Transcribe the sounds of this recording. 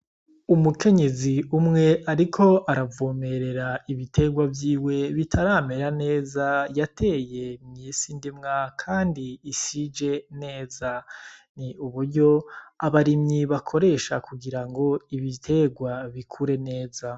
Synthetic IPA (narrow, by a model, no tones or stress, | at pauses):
umuke̞ɲe̞ziumŋe̞ʔaɾikʰo̞ʔaɾavoːme̞ɾe̞ɾaiβitʰe̞ɡwavjiːwe̞βitʰaɾaːme̞ɾane̞ːzajatʰe̞ːje̞mɲisindimŋakʰaːndiːsid͡ʒe̞ne̞ːzaniuβuɾɟo̞aβaɾimɲiβakʰo̞ɾe̞ʃa̰kʰuɡiɾaŋɡo̞iβitʰe̞ɡwaβikʰuɾe̞ne̞ːza